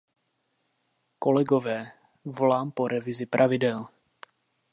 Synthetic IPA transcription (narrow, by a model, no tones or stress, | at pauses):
kolɛɡovɛː | volaːmpoɾʔɛvɪzɪpɾʔavɪdɛl